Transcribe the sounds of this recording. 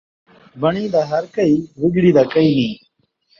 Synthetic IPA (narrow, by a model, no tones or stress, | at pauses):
bəɳiːd̪aːɦəɾkəiːʋɪɡɽiːd̪aːkəiːnĩː